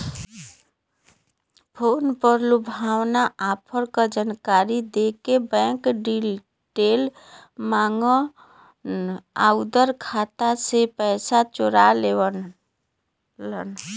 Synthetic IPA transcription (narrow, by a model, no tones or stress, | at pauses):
pʰonpəɾlubʱawnaʔapʰəɾkəd͡ʒankaɾid̪ekebɛ̃ŋkɖi | ʈel | maŋɡə | a̰ud̪əɾkʰat̪asepɛsat͡ʃoɾalewə | lən